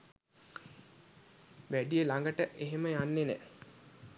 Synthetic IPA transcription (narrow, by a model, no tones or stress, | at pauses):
ʋæɖijəlaŋɡəʈəʔeɦeməjanːenɛ̰